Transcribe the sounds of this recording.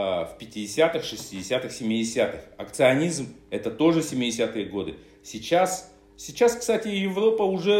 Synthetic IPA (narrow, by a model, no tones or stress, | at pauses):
fpʲɪtʲɪdʲɪsʲat̪ɨxʂɨsʲtʲɪdʲɪsʲat̪ɨxsʲɪmʲːɪdʲɪsʲat̪ɨxɐkt̪sɨɐnʲizmɛt̪ət̪o̞ʐɨsʲɪmʲɪdʲɪsʲat̪ɨjəɡo̞d̪ɨ | sʲɪt͡ɕas | sʲɪt͡ɕaskst̪atʲɪjɪvɾo̞pəʊʐɛ